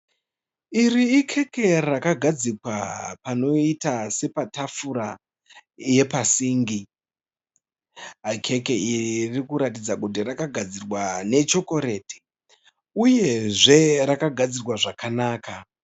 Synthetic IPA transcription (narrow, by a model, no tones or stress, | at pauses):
iriːkʰe̞ke̞rakaɡʱad͡zikwa̰pano̞itase̞patafuɾa | je̞pasiːŋɡi | kʰe̞ke̞irikuɾat̬id͡zakut̬irakaɡʱad͡zirwane̞t͡ʃo̞ko̞ɾe̞ːte̥ | uje̞ʐe̞ɾakaɡʱad͡zirwaʐakanaːka